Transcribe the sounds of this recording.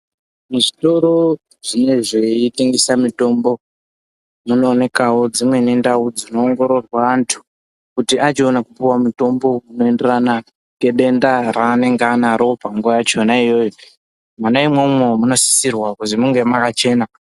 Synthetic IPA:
muʐito̞ɾo̞ | ʐ̥ine̞ʐeiteŋɡesamito̞mbo̞ | muno̞ːne̞kawo̞d͡zimwe̞ne̞ndaud͡zino̞ːŋɡo̞ɾo̞rwaantʰu̥ | kutiʔat͡ʃio̞nakupuwamuto̞mbo̞muno̞e̞nderana | ŋɡe̞ɗe̞ndaraːne̞ŋɡanaɾo̞paŋɡuʋajat͡ʃonaijo̞jo | manaimwememuno̞si̥sirwakuzimuŋɡemakat͡ʃe̞ːna

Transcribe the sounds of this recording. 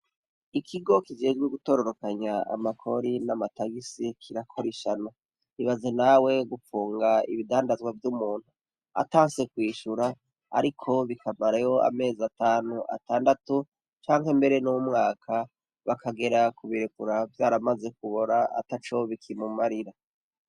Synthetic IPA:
ikʰiɡo̞kid͡ʒe̞ːd͡ʒɡweɡuto̞ːɾo̞ɾo̞kaɲaa̰makʰo̞ɾinamataɡisikʰiɾakʰo̞ɾiʃana | iβazenawe̞ɡufuːŋɡaḭβidaːndazɡwavjumuːn̥hu | a̰taːse̞kwiːʃuɾa | a̰ɾikʰo̞βikʰamaɾajo̞a̰me̞ːziataːnuʔa̰taːndatu | t͡ʃaːŋɦembe̞ɾe̞nuwumŋaːkʰa | βakʰaɡe̞ɾakuβiɾekuɾavjaːɾamaze̞k̚uβo̞ɾaa̰tat͡ʃo̞βikʰimumaɾiɾa

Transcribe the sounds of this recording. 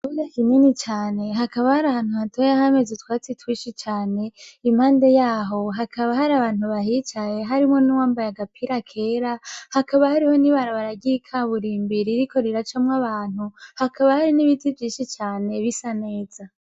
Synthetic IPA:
kunakininit͡ʃaːne̞ɦakaβahaɾahaːn̥huhatojaɦame̞zetwaːt͡sitwiʃit͡ʃaːne̞im̥haːnde̞jaːɦo̞ɦakʰaβaɦaɾaβaːn̥uβaɦit͡ʃaje̞ɦaɾimŋo̞nuwaːmbajaɡapʰiɾakʰe̞ɾahakaβahaɾiho̞niβaɾaβaɾaɡikʰaβuɾiːmbiɾiɾiko̞ɾeɾat͡ʃamŋaβaːn̥uhakaβahaɾiniβitivjiːnʃit͡ʃaːne̞βisane̞ːz̥a

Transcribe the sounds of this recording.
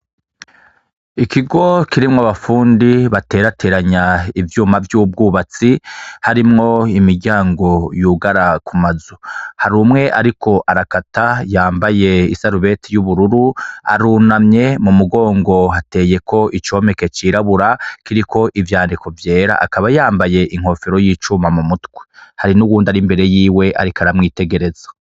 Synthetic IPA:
ikiɡo̞kiɾimŋaβafuːndiβate̞ːɾatʰe̞ːɾaɲaivjuːmavjuːb̚ɡuːβat͡sihaɾimŋo̞imiɾɟaːŋɡo̞juːɡaɾakumazuhaɾumŋe̞ʔaɾikʰo̞ʔaɾakatajaːmbaje̞isaɾuβe̞tʰijuβuɾuɾua̰ɾunamɲe̞mumuɡo̞ːŋɡo̞ɦate̞ːje̞kʰo̞ʔit͡ʃo̞ːme̞ke̞t͡ʃiːɾaβuɾakiɾikʰo̞ʔivjaːndikʰo̞vje̞ːɾa̰ʔakaβajaːmbaje̞ʔiŋ̥ho̞ːfeɾo̞jiːt͡ʃumamumutɡwehaɾinuwuːndaɾimbe̞ɾe̞jiːwe̞ʔa̰ɾikaɾamŋiːte̞ɡe̞ɾe̞z̥ḁ

